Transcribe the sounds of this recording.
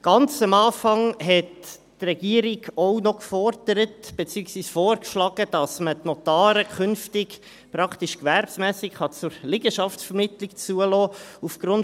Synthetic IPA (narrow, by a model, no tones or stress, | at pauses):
ɡ̥ɑnt͡səmɑːfɑŋɦɛtː | rɛɡ̥iəɾɪɡɔʊnɔkfɔrd̥əɾətb̥et͡syəksviːsfoːɾkʃlɑːɡ̥əd̥ɑsmətnɔtɑːɾəkʰʏnftɪɡ | pɾɑktiʃkværpsmæːsɪkχɑt͡sʊɾlɪɡ̥əʃɑftsfɛɾmɪtlɪkt͡suəlɔːufɡ̥ɾʊn